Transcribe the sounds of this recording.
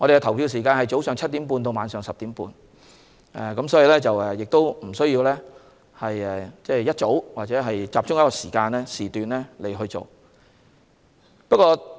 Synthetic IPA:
ŋɔ˨˧ɾe˨kɛ˧t̪ʰɐ˨˩wpʰiː˧ws̬iː˨˩kaː˧nɦɐ˨˩jt͡so˨˥wsœː˨ŋt͡sʰɐ˥t̚t̪i˨˥mpuː˧nt̪o˧wmaː˨˧nsœː˨˩ŋsɐ˨p̚t̪iː˨˥mpṵː˧n | ɛ̰˨˩kɐ˨˥msɔː˨˥ji˧lɛː˥t͡sɐ˨wɛ˨˧jɪ˨k̚t̪o˥wm̩˨˩sɵ˥ɥjiː˧wlɛː˥ | hɐ˨jɛ˨t͡sɛː˥˩jɐ˥t̚t͡so˨˥wwaː˨t̚t͡sɛː˨˧˥ɦɐ˨jt͡saː˨p̚t͡sʊ˥ŋjɐ˥kɔ˧siː˨˩kaː˧nlɛː˥siː˨t̪yː˨nlɛː˥le˨˩jɦɵ˧ɥt͡so̰˨˩w | pɐ˥kɔː˧

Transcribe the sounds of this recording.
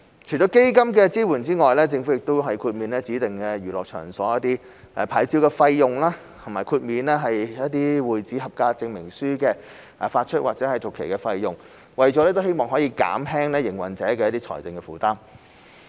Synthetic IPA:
t͡ʃʰɵ˨˩t͡ɕɔː˨˧wke˥jkɐ˥mkɛː˧t͡siː˥wuː˨˩nt͡siː˥ŋɔː˨jlɛː˥t͡sɪ˧ŋfu˨˥jɪ˨k̚t̪o˥wɦɐ˨jkʰuː˧t̚miː˨˧nlɛː˥t͡siː˨˥t̪ɪ˨ŋkɛː˧jyː˨˩lɔː˨k̚t͡ʃʰœ̰ː˨˩ŋsɔː˨˥jɐ˥t̪̚iː˥ | ʔɛ˨˧˩pʰaː˨˥˩jt͡siː˧˥wkɛː˧fɐ˧jːʊ˨ŋlaː˥ | t̪ʰʊ˨˩maː˨jkʰuː˧t̚miː˨˧nlɛː˥ɦɐ˨jjɐ˥t̚t̪iː˥wuː˨˩jt͡siː˨˥ɦɐ˨p̚kaː˧t͡sɪ˧ŋmɪ˨˩ŋsyː˥kɛː˧ | ʔɛ˨˩faː˧t̚t͡ʃʰɵ˥t̚waː˨k̚t͡sɛː˨˥hɐ˨˩jt͡sʊ˨˩kʰːe˨˩jkɛ˧fɐ˧jːʊ˨ŋ | wɐ˨jt͡ɕɔ˨˥lɛː˥t̪o˥whe˥jmɔː˨˩ŋɦɔː˨˥jiː˧ka̰ː˨˥mɦɛː˥ŋlɛː˥jɪ˨˩ŋwɐ̰˨˩nt͡sɛː˨˥kɛː˧jɐ˥t̪iː˥t͡ʃʰɔ̰ː˨˩jt͡sɪ˧ŋkɛ˧fuː˨˩t̪aː˥m

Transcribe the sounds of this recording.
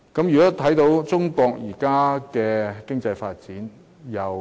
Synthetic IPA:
kɐ˨˥mjyː˨˩kɔː˨˥t̪ʰɐ˨˥jt̪o˨˧˥wt͡sʊ˥ŋkɔː˧k̚jiː˨˩kaː˥kɛː˧kɪ˥ŋt͡sɐ˧jfaː˧t̚t͡siː˨˥n | jɐ˨w

